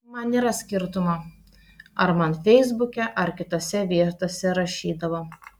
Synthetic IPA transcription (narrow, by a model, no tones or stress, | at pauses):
mɐniːɾɐsʲkʲɪɾt̪ʊmɐ | ɐɾmɐnfʲɛɪzbʊkʲɛʔɐɾkʲɪt̪oːsʲɛʋʲiɛt̪oːsʲɛɾɐʃʲiːd̪ɐʋoː